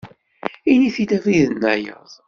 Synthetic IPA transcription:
iniθid̪æfiðənːæjə̰ðˤ

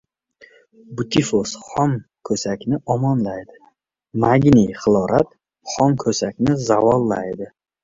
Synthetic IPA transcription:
bʊt̪ʰifosχɒmkʰɵsakʲnɪʔɒmɒnlajd̪ɪ | maɡʲnijχɨlˠɒɾʔat̪ | χɒmkʰɵsakʲnɪzavɒlˠːa̰jd̪ɪ

